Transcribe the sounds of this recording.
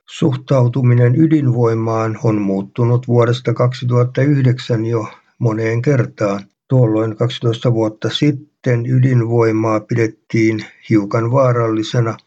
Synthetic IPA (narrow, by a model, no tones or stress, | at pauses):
suht̪ɑut̪uminenydinʋoimɑːnonmuːt̪ːunut̪ʋuoɾest̪ɑkɑksit̪uhɑt̪ːɑyhdeksænjo | moneːŋkert̪ɑːn | t̪uolːoinkɑksi̥t̪oist̪ɑʋuot̪ːɑsit̪ːenydinʋoimɑːpidet̪ːiːnhiukɑnʋɑːrɑlːisenɑ